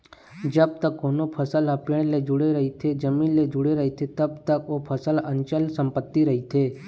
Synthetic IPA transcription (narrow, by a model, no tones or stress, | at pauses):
d͡ʒəb̚t̪əkːoːnopʰəsəlɦəpɪɳ̃led͡ʒʊɽeɾəɦit̪ʰed͡ʒəmiːnled͡ʒʊɽeɾəɦit̪ʰet̪əb̚t̪əkoːpʰəsələnt͡ʃəlsəmpət̪ːiɾəɦit̪ʰeː